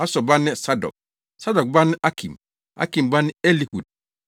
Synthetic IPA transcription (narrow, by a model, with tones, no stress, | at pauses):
a˦sɔ˨ba˦nɛ˦sa˦dɔ̰˨k̚ | sa˦dɔ˨k̚ba˦nɛ˦ʔa˦kʰḭ˨m | a̰˦ki˨mba˦nɪ˦e˦li˨ku˨d̚